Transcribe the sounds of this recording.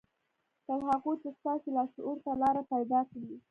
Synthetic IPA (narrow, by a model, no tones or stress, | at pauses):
t̪aɾɦaɣot̪ast̪ɑsilɑsuɾt̪alɑɾapajd̪ɑkawi